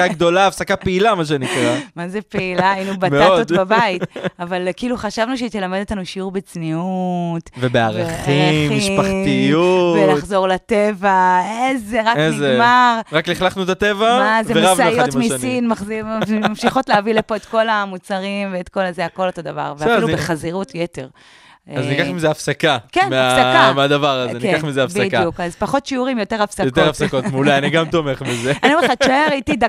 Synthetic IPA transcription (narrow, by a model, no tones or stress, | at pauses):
aɡd̪o̞laːfsakapeilamaʃ̬enikʁamazepeilainubameaotod̪babaitavalkiːluχaʃavnuʃeit̪elamed̪otlanuʃiuʁbet͡sniutvebeaʁaχiemːiiʃpaχtijuvelaχzo̞ʁlat̪evaezeʁakezemaʁʁakliχlaχnuet̪at̪evaazeeʁavaijomisinmaχmamʃiχo̞tleavilepo̞etko̞lamut͡saʁimveetko̞lazeako̞loto̞d̪ava̰ʁveailubeχaziʁutjete̞ʁ | aznikaχmizeafsakakenmeafsaameadavaʁazeniekaχmizeafsbdkijukazpaχo̞tʃiuʁimjo̞te̞ʁafsajok̪ʁafsakot̪mulajaniɡamt̪omeχmizeanioeeχatʃaeʁaitida